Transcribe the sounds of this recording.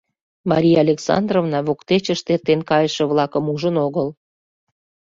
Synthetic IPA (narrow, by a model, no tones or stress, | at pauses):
mɑ̰ɾʲijɑɑlʲeksɑ̰nd̪rovnɑβokt̪et͡ɕəʃt̪ert̪enkɑjəʃə̆βlɑkəmuʒənoɣəl